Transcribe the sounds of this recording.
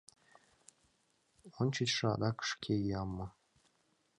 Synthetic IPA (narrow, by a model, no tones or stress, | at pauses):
onʲt͡ɕit͡ɕʂɤɑ̰d̪ɑkə̥ʂkʲʰejɑmːɤ̆